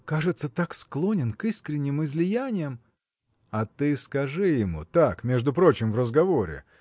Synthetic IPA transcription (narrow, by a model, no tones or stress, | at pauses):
kaʐɨt̪sət̪aksklˠo̞nʲɪnkiskɾʲɪnʲːɪmɨzlʲɪjænʲɪjəm | ɐt̪ɨskɐʐɨjɪmṵt̪akmʲeʐd̪ʊpɾo̞t͡ɕɪmvrəzɡɐvo̞ɾʲɪ̰